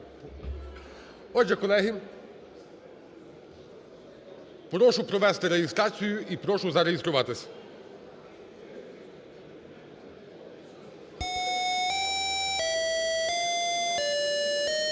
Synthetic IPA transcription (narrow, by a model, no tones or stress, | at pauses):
ɔd͡ʒɛkɔlˠɛɦi | pɾɔʃʊpɾɔʋɛst̪ɪɾeɦɪst̪ɾɑt͡sʲijʊʔipɾɔʃʊzɐɾejɪst̪ɾʊʋɑt̪ɪsʲ